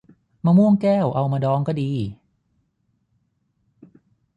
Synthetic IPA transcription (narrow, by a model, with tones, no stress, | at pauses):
maː˧mu˥˩əŋkɛː˥˩wʔa˧wmaː˧dɔː˧ŋkɔː˥˩diː˧